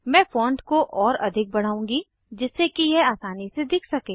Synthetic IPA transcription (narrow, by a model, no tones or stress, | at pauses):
mɛ̃ːfɔ̃ːɳɖkoʔɔːɾɐ̰d̪ʱɪk̚bɐɽ̤aːũːŋɡi | d͡ʒɪsːekijeaːsaːnised̪ɪkʰsɐkeː